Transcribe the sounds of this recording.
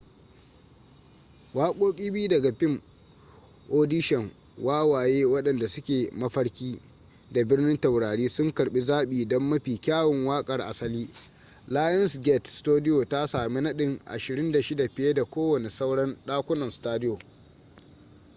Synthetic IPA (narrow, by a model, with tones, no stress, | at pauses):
waː˦kʷʼoː˦kʲʼiː˦bɪ˦u˦dɐ˨ɡa˨ɸɪ˦˨m | ʔoː˦dɪ˦ʃɛ˨ŋ | waː˦waː˨jeː˦wɐ˦ɗɐ˨nda˨sʊ˦kʲeː˨mɐ˦ɸɐ˦ɽkʲiː˦ | da˨bɪ˦rnɪ˦nta˨wɽaː˨ɽiː˦sʊ˦ŋkɐ˨ɽɓi˦zaː˦ɓiː˨dɔ˦mːɐ˦ɸiː˨kʲaː˦wɪ˨ŋwaː˦kʼɐ˨rʔa˨sɐ˦liː˦ | laː˦jɐ˦nsɡʲɛ˦˨tstoː˦dɪ˦joː˨ta˦saː˨mi˦nɐ˦ɗɪ˨ŋʔa̰˨ʃɪ˨ɾɪ˦nda˨ʃɪ˦da˨ɸɪ˨je˦da˨kʷoː˦wɐ˨ne˨sa˦wɽɐ˦nɗaː˦kʷʊ˦nɐ˨nstaː˦dɪ˦joː˨